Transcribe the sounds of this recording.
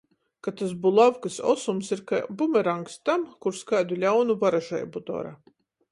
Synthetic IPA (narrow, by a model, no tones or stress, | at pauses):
kat̪as̬bulˠavkɨsɔ̰sumsiɾka̰bumʲɛɾaŋkst̪amkuɾskajd̪ulʲawnuvaɾaʒa̰jbud̪ɔ̰ɾa̰